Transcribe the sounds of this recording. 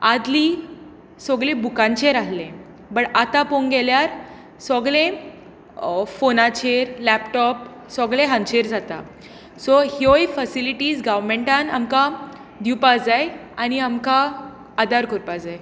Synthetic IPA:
ad̪liː | sɔɡɭẽbukãɲt͡ɕẽɾaɦlẽ | bəʈat̪ãpoŋɡɛljaɾ | sɔɡɭẽ | fonat͡ɕeɾlæpʈɔp̚ | sɔɡɭẽɦãnt͡ɕeɾd͡zat̪a̰ | sɔhiojfəsiliʈiːzɡaʋmeɳʈãna̰mka | d̪ipad͡zajañiamkaː | d̪aɾkoɾpad͡zaj

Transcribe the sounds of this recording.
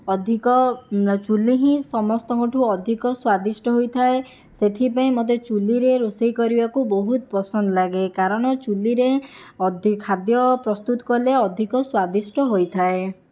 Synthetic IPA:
ɔd̪ʱikɔt͡ʃuliɦĩsɔmɔst̪ɔkoʈʰuɔd̪ʱikɔswad̪isʈɔɦojt̪ʰae | set̪ʰipaĩmot̪̬et͡ʃuliɾeɾusejkɔɾibakubɔɦut̪̚pɔsɔnd̪ɔlaɡekaɾɔɽ̃ɔt͡ʃuliɾeɔd̪ʱikʰːad̪jɔpɾɔst̪ut̪ɔ̥kɔleɔd̪ʱikɔswad̪isʈɔɦojt̪ʰae

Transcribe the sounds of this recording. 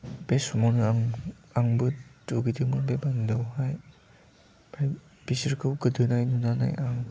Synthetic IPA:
b̥esɔmawnɯaŋ | aŋbɯtuɡidɯmɯbebandɔwhaj | baj | bisɯɾkʰɯwɡɯdɯnajnunana̰jʔaŋ

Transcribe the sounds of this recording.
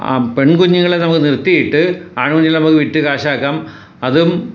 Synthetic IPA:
a̰peɳkuɲːuŋːɐɭenɐmukːɨnirt̪ːijiʈːɨaːɳund͡ʑilnɐmukːɨʋiʈːɨkaːɕaːkːaːm | ɐðum

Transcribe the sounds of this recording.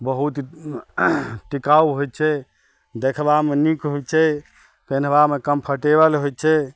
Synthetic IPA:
bəɦut̪ | ʈikauɦojtt͡ʃʰɛ | d̪ekʰbamenikɦojt͡ʃʰɛ | penbamekəmpʰəʈebəlɦojtt͡ʃʰɛ

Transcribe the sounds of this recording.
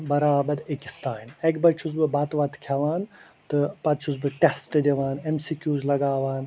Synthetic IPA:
bɐɾaːbɐɾekist̪aːinekbɐt͡ʃʰuzbɨbaːt̪ʋɐt̪kʰjaʋaːn | t̪ɨpɐt͡ʃʰuzbɨʈesʈɨd̪iʋaːnemsikʲjuːzlɐɡaːʋaːn

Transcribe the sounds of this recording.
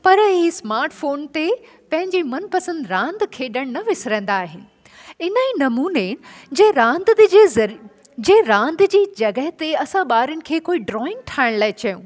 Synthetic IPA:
pɐɾɦismaːɾʈfoːnt̪e | pɐ̃ɦɪ̃ɲd͡ʑimɐnpɐsə̃nd̪ɾãːnd̪kʰeːɗəɽ̃nɐʋɪsɾə̃ːn̆d̪aːɦɪn̆ | ɪnaiːnɐmuːned͡ʑeɾãːnd̪eɐ | d͡ʑeːɾãːnd̪d͡ʑiːd͡ʑɐɡəɦt̪eɐsãɓaːɾənɪ̆kʰeːkoːiɖɾɔːɪ̃ŋɡ̚ʈʰaːɪɽ̃laːɪt͡ɕɐjũː

